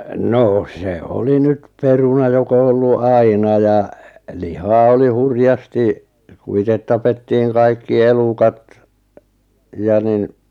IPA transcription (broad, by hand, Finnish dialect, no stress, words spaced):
noː se oli nyt perunɑ jok o olːu ɑinɑ jɑ lihɑː oli hurjɑsti ku itet tɑpetːiːŋ kɑikːi elukɑt jɑ nin